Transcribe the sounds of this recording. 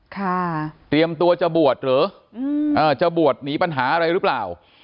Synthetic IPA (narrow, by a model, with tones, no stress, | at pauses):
kʰa˧˥˩t̪ɾi˧əmt̪u˧ɐt͡ɕa˧˩bu˨˩ət̪̚ɾɯː˨˦ | ɯ˧ʔɤː˧˩t͡ɕa˧˩bu˨˩ə˩t̪̚niː˩˦˥pa˧nɦaː˩˦ʔa˧ɾa˧jɾɯ˦˥plaː˨˩w